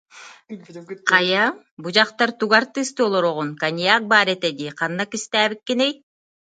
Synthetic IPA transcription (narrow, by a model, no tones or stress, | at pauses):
qʰɑja | bud͡ʒɑqt̪ɑɾt̪uɡaɾt̪ːɯːst̪olˠoɾoʁunkanʲijak̚baːɾet̪ed̪iqʰɑnːakist̪æːβikːenej